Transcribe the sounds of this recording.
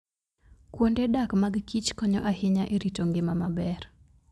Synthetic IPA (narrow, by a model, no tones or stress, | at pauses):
kwondedakmaɡkit͡ʃkɔɲɔʔahɪɲaʔeɾitoŋɡɪmamabɛr